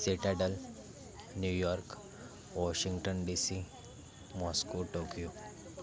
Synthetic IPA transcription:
seʈɛɖəl | njujɔɾk | ʋɔɕiŋɡʈənɖisi | mɔskoʈokijo

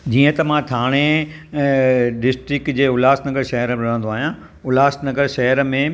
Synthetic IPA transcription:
d͡ʑiːə̃t̪ɐmãt̪ʰaːɽ̃e | ɖɪsʈɾɪkd͡ʑeːʊlaːsnɐɡəɾʃɐɦəɾɾɐ̤ə̃nd̪oaːɦijã | ʊlaːsnɐɡəɾʃɐɦəɾmẽ

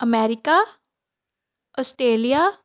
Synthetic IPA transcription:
əmɛːɾɪka | ɔsʈɾeːlija

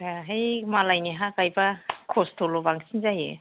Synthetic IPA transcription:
aɦajmalajniɦakajbakʰostʰolobaŋsinzajɯ̰

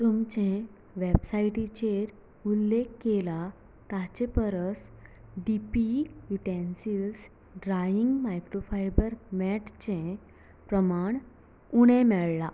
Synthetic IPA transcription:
t̪umt͡ɕẽ | ʋebsaiʈit͡ɕeɾ | ulːekkːela | t̪at͡ɕẽpəɾəsɖipijuʈensils | ɖɾajiŋɡmajkɾofajbəɾmɛʈt͡ɕẽ | pɾəmaɳ | uɽ̃ẽmɛɭla

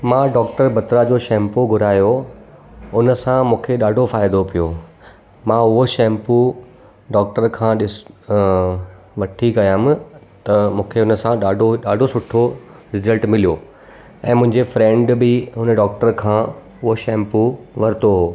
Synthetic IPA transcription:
mãːɖɔːkʈəɾbɐt̪ɾad͡ʑoːʃɛ̃ːmpoɡʱʊɾaːjo | ʊnə̆sãmũːkʰeɗaːɖʱofaːɪd̪opijoː | mãːʊɦoʃɛ̃ːmpu | ɖɔːk̚ʈəɾkʰãːɗɪs | ʋɐʈʰikɐjaːmt̪ɐmũːkʰeʊnəsãɗaːɖʱoɗaːɖʱosʊʈʰo | ɾɪzəlʈmɪlijo | ɛ̃ːmʊ̃ɦɪ̃ɲd͡ʑefɾɛ̃ːɳɖbɪɦʊnəɖɔːk̚ʈəɾkʰãː | ʊɦoʃɛ̃ːmpuʋɐɾɪt̪oɦoː

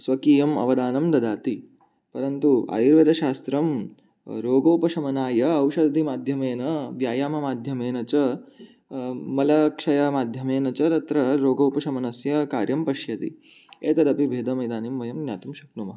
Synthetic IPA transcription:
sʋɐkiːjɐmɐ̰ʋɐd̪aːnɐmd̪ɐd̪aːt̪i | pɐɾɐnt̪uʔa̰ːjiɾʋɐd̪ɐʃaːst̪ɾɐm | ɾoːɡoːpɐʃɐmɐnaːjɐɐwʃɐd̪d̪ʱimaːd̪ʱjɐmeːnɐʋjaːjaːmɐmaːd̪ʱjɐmeːnɐt͡ɕɐ | mɐlɐkʂɐjɐmaːd̪ʱjɐmeːnɐt͡ʃɐɾɐt̪ɾɐɾoːɡowpɐʃɐmɐnɐsjɐkaːɾjɐmpɐʃjɐt̪ḭ | eːt̪ɐd̪ɐpibʱeːd̪ɐmɐjd̪aːnimʋɐjɐmnʲja̰ːt̪umʃɐknumɐɦɐ

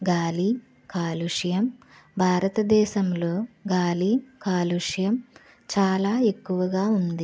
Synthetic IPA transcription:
ɡaːli | kaːluʂjɐm | bʱaːɾɐt̪ɐd̪ɛːʃɐmlo̞ːɡaːlikaːluʂjɐm | t͡ʃaːlaːe̞kːuʋɐɡaːund̪i

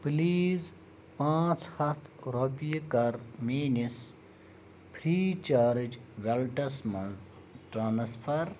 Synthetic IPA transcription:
pliːz | pãːt͡ʃhɐt̪ʰɾopijkɐɾmenis | pʰɾiːt͡ʃaːɾd͡ʒʋelʈɐsmɐz | ʈɾãːnspʰɐɾ

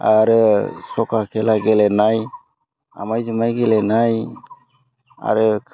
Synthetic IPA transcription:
aɾɯsɔkʰakʰɛlaɡɛlɛnaj | a̰majzɯmajɡɛlɛnaj | a̰ɾɯ

